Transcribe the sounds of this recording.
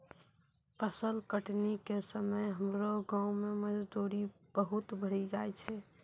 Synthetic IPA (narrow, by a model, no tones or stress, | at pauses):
pəsəlkəʈnikesəməjɦəmɾoɡãũmeməd͡ʒd̪uɾi | b̥əɦut̪bəɽ̤id͡ʒajt͡ʃʰɛ